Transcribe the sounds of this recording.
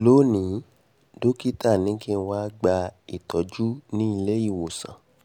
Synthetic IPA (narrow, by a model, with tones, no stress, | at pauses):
lo˨˦nĩ˨˦ | do˦ki˦ta˦˨nĩ˨˦kĩ˦˧n̩˧wa˦ɡ͡ba˧i˨tɔ˨˦d͡ʒu˦nĩ˦i˧le˦i˦˨wo˨sã̰˨